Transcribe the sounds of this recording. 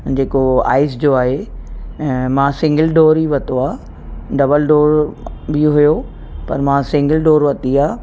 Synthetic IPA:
d͡ʑeːkoa̰ːɪs̬d͡ʑoaːɦe | mãːsɪ̃ŋɡəlɖoːɾiʋɐt̪oaː | ɖɐbəlɖoːɾbiɦʊjo | pɐɾmãːsɪ̃ŋɡəlɖoːɾʋɐt̪iaː

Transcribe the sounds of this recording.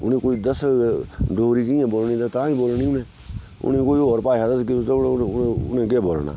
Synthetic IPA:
ʊnẽːkoːiːd̪əs | ɖoːɾiːkiːãːboːlniːt̪at̪ãːĩːboːlniːʊnẽː | ʊ̰nẽːkoːiːoːɾpaːaːd̪əskiot̪ːʊʊ̰nẽːɡeːboːlna̰ː

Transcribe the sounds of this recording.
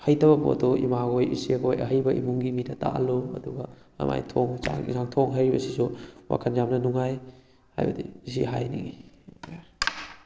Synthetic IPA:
hajtɐbɐbo̰tɔḭmaɡojḭsiɡojɐ̰ɦɐjbɐʔimuŋɡimidɐta̰ʔaloɐ̰duɡɐ | ɐ̰ma̰jtʰoŋza̰ŋzaŋtʰoŋɦajɾibɐ̰sisuwʔa̰kʰanjamnɐnuŋaj | ha̰jbɐdiis̬iɦajniŋi

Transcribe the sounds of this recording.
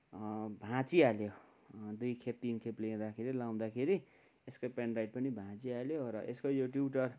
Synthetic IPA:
bʱãt͡sialjo | d̪ujkʰep̚t̪inkʰepliẽd̪akʰeɾilaw̃d̪akʰeɾi | eskopenrajʈ̚pʌnibʱãt͡sialjoɾʌʔeskojoʈuwʈʌr

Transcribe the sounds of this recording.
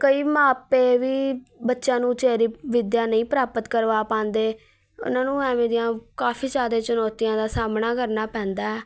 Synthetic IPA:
kəiːmaːpeːʋiːbətːʃãːnũːt͡ʃeːɾiːʋɪd̪jaːnəĩːpɾaːpət̪kəɾʋaːpãːnd̪eː | ʊ̰nãːnũːɛːmẽːd̪ijãːkaːfʰiːd͡ʒaːd̪eːt͡ʃʊnɔːt̪ijãːd̪aːsaːmnaːkəɾnaːpɛ̃ːnd̪aːɛː

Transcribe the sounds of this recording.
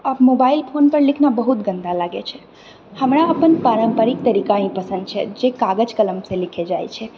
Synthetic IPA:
əbmobailpʰonpəɾlikʰnabəɦut̪ɡənd̪alaɡet͡ʃʰɛ | həmɾaəpənpaɾəmpəɾik̚t̪əɾikaɦĩpəsə̃nd̪̚t͡ʃʰɛ̰d͡ʒekaɡəd͡ʒkələmsẽlikʰed͡ʒajt͡ʃʰɛ

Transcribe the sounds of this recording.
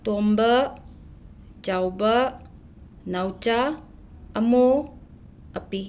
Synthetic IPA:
t̪ombə | d͡ʒawbə | nawt͡ʃaː | mo | əpi

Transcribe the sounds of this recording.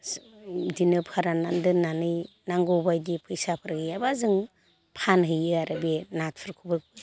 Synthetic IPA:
dinɯpʰhaɾanandɯnanɯj | naŋɡɔbajdipʰɯjsapʰɯɾɡɯjabazɯŋ | pʰanɦɯjɯaɾʔabenat̚pʰɯɾkʰubɯkʰɯ

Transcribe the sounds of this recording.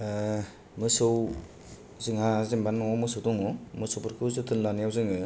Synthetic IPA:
mɯsɯw | zɯŋhazimbanːawɔmɯsɯwtɔŋɔmɯsowpʰɯɾkʰɯwzɯtʰɯnlanijawzɯŋɯ

